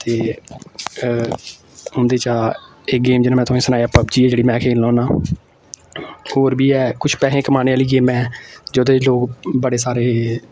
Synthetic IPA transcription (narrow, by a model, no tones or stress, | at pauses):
t̪eː | ʊ̃nd̪eːt͡ʃaː | eːɡeːmd͡ʒɪnãːmɛ̃ːt̪ʊẽːsənaːijaːpəbd͡ʒiːɛːd͡ʒeːɽiːmɛ̃ːkʰeːllɔːnãː | hoːɾbiːɛːkʊt͡ʃʰpɛːɦẽːkəmaːneːaːliːɡeːmɛ̃ːd͡ʒoːd̪eːloːɡbəɽeːsaːɾeː